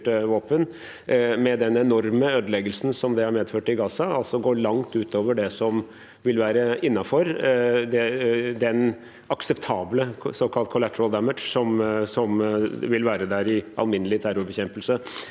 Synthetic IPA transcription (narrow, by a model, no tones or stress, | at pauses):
ʈəʋoːpən | mɛd̪ɛnɛnɔɾməøːd̪əlɛɡəlsn̩sɔmd̪ɛhɑɾmeːd̪føːʈɪɡɑːsɑɑlsɔɡoːɭɑŋt̪ʉːt̪oːʋəɖɛsɔm | ʋɪlʋæːɾəɪnːɑfɔɾd̪ɛd̪ɛn | ɑksɛpt̪ʰɑːbləsɔkʰɑlt̪̚kʰʊlæt̪əɾɑld̪æmədʂsɔmsɔmʋɪlʋæːɾəd̪æɾɪʔɑ̰lmɪnəlɪt̪ʰæɾʊɾbɛçɛmpəlsə